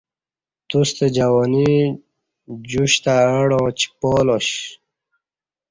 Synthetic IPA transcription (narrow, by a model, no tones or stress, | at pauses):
t̪ust̪ed͡ʑawɔni | d͡ʑuɕt̪aəɽɔ̃ːt͡ɕi̥pɔːlɔɕ